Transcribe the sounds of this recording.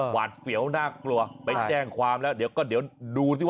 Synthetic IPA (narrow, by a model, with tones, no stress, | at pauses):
waː˨˩t̪̚fi˩˦əwnaː˥˩klu˧ɐpa˧jt͡ɕt͡ɕɛː˥˩ŋkʰwaː˧mlɛː˦˥wdi˨˩˦wkɔː˥˩d̪i˨˩˦wduː˧i˥˩